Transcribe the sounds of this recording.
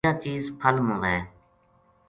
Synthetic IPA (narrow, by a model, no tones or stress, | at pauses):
aːt͡ʃiːzpʰəlmõːʋɛː